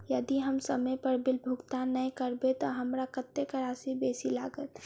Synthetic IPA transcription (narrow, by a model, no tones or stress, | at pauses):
jəd̪iɦəmsəməjpəɾbɪlbʱʊɡt̪anəĩkəɾbet̪oɦɐmɾakət̪ːekəɾaːsibeːsilaːɡət̪